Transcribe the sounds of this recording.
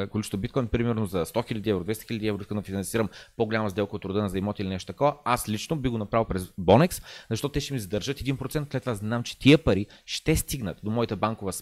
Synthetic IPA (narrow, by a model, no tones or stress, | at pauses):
kolit͡ʃt̪obit̪̚kɔjnpɾimɛɾnozɐst̪ɔxilʲəd̪iɛvɾod̪vɛst̪xilʲəd̪iɛvɾoiskənɐfinɐnsiɾəmpoɡolʲaməzd̪ɛlˠkəot̪ːɾʊd̪ənɐzɐimɔt̪ilʲinɛʃt̪ot̪ɐkɔvɐaslit͡ʃnobiɣɡonɐpɾavəlˠpɾɛzbɔnɛkszɐʃt̪ɔt̪ʊt̪ɛʃt̪ɛmizɐd̪əɾʒət̪ɛd̪inpɾot̪ɛnt̪slɛt̪ːvovaznamt͡ʃɛ̥t̪iəpɐɾiʃt̪ɛst̪iɡnət̪d̪omɔit̪əbaŋkovəs